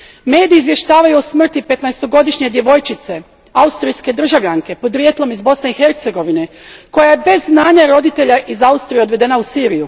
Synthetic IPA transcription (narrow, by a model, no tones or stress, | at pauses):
me̞ːd̪iːzʋje̞ʃt̪aːʋajuosmr̩t̪ipe̞t̪naest̪o̞ɡo̞d̪iʃɲe̞d̪je̞ʋo̞jt͡ʃit̪se̞ | aust̪ɾijske̞d̪r̩ʒaʋʎʲaŋke̞po̞d̪ɾjet̪lˠo̞mizbo̞sne̞ixe̞ɾt̪se̞ɡo̞ʋine̞ | ko̞jajebe̞zːnaːɲaɾo̞d̪it̪e̞ʎaʔizaust̪ɾije̞o̞d̪ʋe̞d̪e̞nausiːɾiju